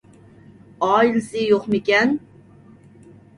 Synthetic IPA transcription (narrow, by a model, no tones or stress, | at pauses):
ɑːilsɪjoqmɪkʲɛn